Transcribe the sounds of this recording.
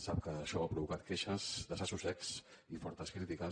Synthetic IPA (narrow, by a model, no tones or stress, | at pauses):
sap̚kəːʃɔapɾuβukat̪̚keʃəzd̪əsasusɛksifɔɾt̪əskɾit̪ikə